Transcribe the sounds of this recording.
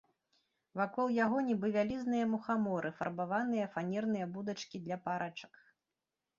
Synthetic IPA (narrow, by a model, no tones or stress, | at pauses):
vakɔlˠjaɣɔnʲibɨvʲalʲiznɨjɐmuxamɔɾɨfɐ̰rbavanɨjɐfanʲɛrn̪ɨjɐbud̪ɐt͡ʂkʲid̪lʲɐpaɾʔat͡ʂɐ̥k